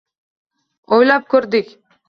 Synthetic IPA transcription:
ojlˠɑp̚kʰʲɵɾd̪ɪkʲ

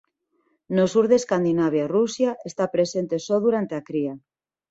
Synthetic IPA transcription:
nosuɾðeskand̪inaβ̞jarusjaʔest̪apɾesent̪esoðuɾant̪eakɾia

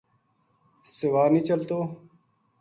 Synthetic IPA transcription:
sɪʋaːɾnĩːt͡ʃəlt̪oː

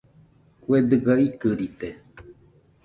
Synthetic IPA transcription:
kued̪ɨɡaikɨɾit̪e

